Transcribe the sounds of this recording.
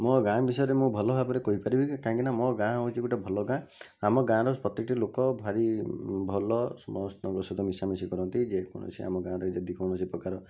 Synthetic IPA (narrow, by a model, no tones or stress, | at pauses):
mɔɡãbisɔjɔɾemũbʱɔlɔbʱapɔɾekoɦipaɾibʱikaɦãŋkinamɔɡãɔũt͡ʃiɡuʈabʱɔlɔɡã | amɔɡãɾɔspɔt̪iʈilokɔbʱaɾibʱɔlɔsɔmɔst̪ɔɾɔsɔd̪ʱɔmisamisikɔɾɔnt̪id͡ʒekɔ̰ɽ̃ɔ̰sḭa̰mɔɡãɾɔid͡ʒɔd̪ikɔñɔsipɾɔkaɾɔ